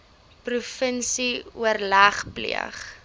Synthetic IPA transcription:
prufənsiṵərlæχplḭə̰χ

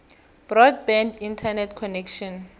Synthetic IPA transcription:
b̥rɔd̚bɛ̃ndintʰanɛtʰkʰɔnɛkʃɔ̃n

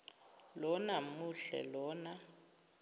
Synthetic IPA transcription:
lɔnamuɬɛ̰lɔːna

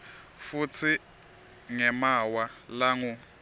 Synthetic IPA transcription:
fut͡sʰi | ŋɛmawalaŋu

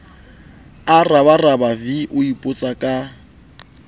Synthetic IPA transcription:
araβarabaviʔʊipʼʊt͡sʼakʼa

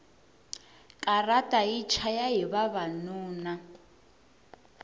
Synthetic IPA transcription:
kʼaratʼait͡ʃʰajaiβaβanuːna

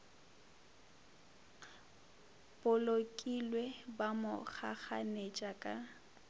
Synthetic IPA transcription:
b̥ʊlokʼilwebamʊk͡xʰaχanet͡ʃʼakʼa

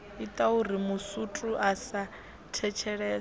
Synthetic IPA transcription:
it̪ʼaurimusutʼuasa | tʰɛt͡ʃʰɛɺɛː

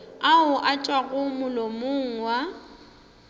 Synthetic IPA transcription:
aʊʔat͡ʃʼwaɣʊmʊlɔmʊŋ̩wa

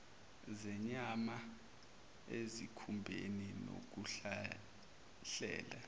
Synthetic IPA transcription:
zɛɲama | ezikʰumbʱenino̰k̬uɬa | ɬɛ̰ːla

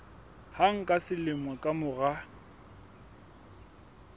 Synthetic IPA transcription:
haŋ̩kʼasɪlɪmwɛkʼamʊɣa

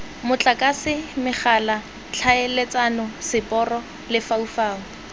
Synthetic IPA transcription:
mʊt͡ɬʼakʼasɪmɪχala | t͡ɬʰaelet͡sanɔsɪpʼɔrɔ | lɪfaufaːŋ̩

